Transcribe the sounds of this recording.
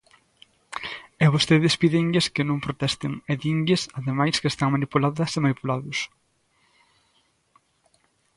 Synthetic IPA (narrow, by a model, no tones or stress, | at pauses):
eβost̪eðespiðeŋʎeskɪnõŋpɾot̪ɛst̪ɪŋeðiŋɡɪsaðemajskest̪aŋmanipulaðɐsemanipulaðʊs